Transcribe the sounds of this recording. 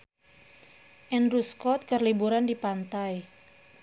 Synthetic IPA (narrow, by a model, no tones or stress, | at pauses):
ʔɛnɾuskɔt̪̚kərlibuɾandipant̪aj